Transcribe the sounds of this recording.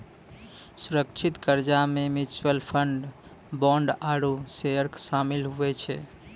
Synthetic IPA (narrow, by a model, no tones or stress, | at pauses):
suɾəkt͡ʃʰit̪kəɾd͡ʒamemit͡ʃwəlpʰəɳɖ | bɔ̃ɳɖaɾuseəɾksamilɦuɛt͡ʃʰɛ̰